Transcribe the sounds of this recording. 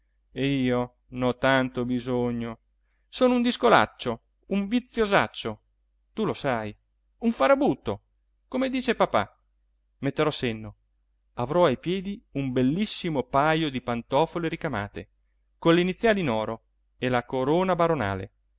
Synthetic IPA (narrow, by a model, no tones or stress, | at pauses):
eiːo | nɔt̪ːant̪obizoɲːo | soːnound̪iskola̰t͡ʃːo | uɱvit̪sːjozat͡ʃːo | t̪ulosaj | uɱfaɾabut̪ːo | komed̪iːt͡ʃepapa̰ | met̪ːeɾɔsenːo | avɾɔajpjɛːd̪iumbelːisːimopajod̪ipant̪ɔːfoleɾikama̰ːt̪e | konleinit̪sːjaːlinɔːɾo | elakoɾoːnabaɾona̰ːlḛ